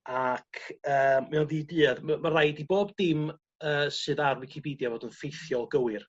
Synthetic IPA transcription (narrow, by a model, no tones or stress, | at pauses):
akʰəːmmɛɔðidɨːðmamaɾajdiboːbdɪm | əːsɨːðarwɪkʰipʰiːdjavoːdənfejθjɔlˠɡəwɪr